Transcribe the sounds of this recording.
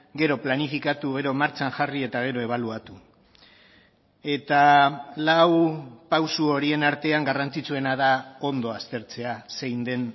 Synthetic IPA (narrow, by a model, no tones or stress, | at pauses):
ɡe̞ɾo̞planifikat̪uɣ̞e̞ɾo̞maɾt͡ʃanʝarie̞t̪aɣ̞e̞ɾo̞e̞β̞aluat̪u | e̞t̪alawpawsuo̞ɾie̞naɾt̪e̞aŋɡarant͡sit͡sue̞naðao̞nd̪oast̪e̞ɾt͡se̞ase̞jnd̪e̞n